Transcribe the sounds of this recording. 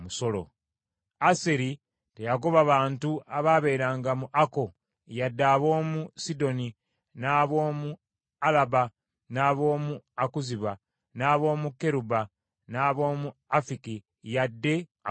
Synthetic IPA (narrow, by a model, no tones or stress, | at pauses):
muso̞lo̰ | aseɾi | te̞jako̞βaβaːntuaβaβe̞ːɾaːŋɡamuʔako̞ | jadːaːβo̞ːmusido̞ni | naːβo̞ːmu | alaba | naːβo̞ːmuakuziβa | naːβo̞ːmukːe̞ɾuba | naːβo̞ːmuafiki | jadːe̞a